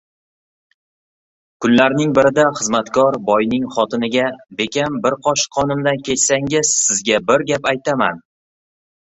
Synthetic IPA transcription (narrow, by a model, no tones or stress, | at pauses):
kʰʊnlaɾnɪŋbɪɾɪd̪aχɨzmat̪kʰɒɾbɒjnɪŋχɒt̪ʰɪnɪɡʲabe̞kʲʰanbɪɾqʰɒʃqʰːɒnɪmd̪ankʲʰe̞t͡ʃsaŋʲɪz̥sɪzɡʲabɪɾɡʲapajt̪ʰama̰n